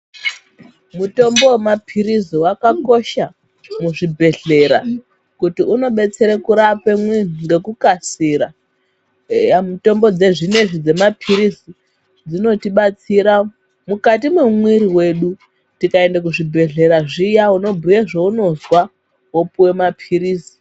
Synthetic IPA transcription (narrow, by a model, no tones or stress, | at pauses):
muto̞mbo̞wemapʰiɾiziwakako̞ʃa | muʐibʱe̞ɮe̞ɾa | kutiuno̞ɓe̞t͡se̞ɾekuɾapemweŋɡe̞kukasiɾa | muto̞mbo̞d͡ze̞ʐine̞ʐid͡ze̞mapʰiɾizi | d͡zino̞tiɓat͡siɾa | mukatimwemwiɾiwe̞ɗu | tikae̞ndak̬uʐibʱe̞ɮe̞ɾaʐijauno̞bʱujeʐouno̞zwa | wopuwe̞mapʰiɾiːzi̥